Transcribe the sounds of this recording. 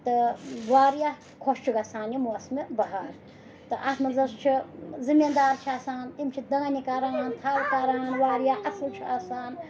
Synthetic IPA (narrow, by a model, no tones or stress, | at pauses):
t̪ɨʋaːɾija | kʰoʃt͡ʃʰiɡɐsaːnjimuɐsmebɐɦaːɾ | t̪ɨʔɐsmɐzɐst͡ʃʰizimʲind̪aːɾt͡ʃʰiaːsaːnt̪imt͡ʃʰid̪ɐŋanikɐɾaːnt̪ʰaːlkɐɾaːnʋaːɾjaːʔɐsɨlt͡ʃʰiaːsaːn